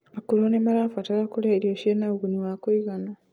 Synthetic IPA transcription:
akuɾonemaɾafatalakulaiɾieʃienaɣuniwakiɣana

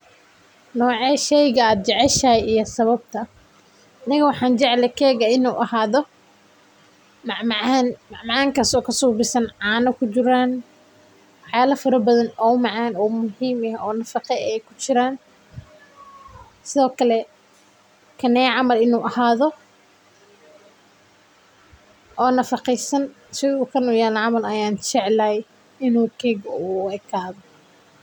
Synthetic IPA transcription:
nɔːʕɛːʃɛjɣɐaːd̪̚d͡ʒɛʕɛʃɐːjijɔsɐβɐb̚t̪ʰɐ | ʔɐnɪɣɐwɑħɑːnd͡ʒɛʕlɛkʰɛːɣɐɪnuːʔɐhaːðɔ | mɑʕmʕnmɑʕmɑʕaːŋkʰɐsɔːkʰɐsuːbɪsɐnʕɑːnɐkʰʊt͡ʃɪɾaːn | wɑħjaːlɐfɐɾɐbɐðɐnɔːʊmɑʕɑːnɔːmʊɦiːmɐɦɔːnɐfɑqɛɛjkʰʊt͡ʃɪɾaːn | sɪðɔːkʰɐlɛ | kʰɐnɛjʕɑmɐlɪnuːʔɐhaːðɔ | ʔɔːnɐfɑqɛsɐn | sɪuːkʰɐnujaːlɐʕɑmɐlɐjaːnt͡ʃɛʕlaj | ɪnuːkʰɛːɡɔuɛkʰaːðɔ

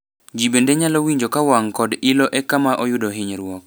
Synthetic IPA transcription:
d͡ʒibendeɲalɔwiɲd͡ʒokawaŋkɔdɪlɔʔɛkamaʔɔjʊdɔɦɪɲɾwɔk

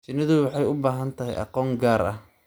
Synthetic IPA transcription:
t͡ʃɪnɪðʊwɑħɑjʊbaːɦɐnt̪ʰɐɦɛ̰jʔɑ̰qɔːŋɡaːɾɐ̰h

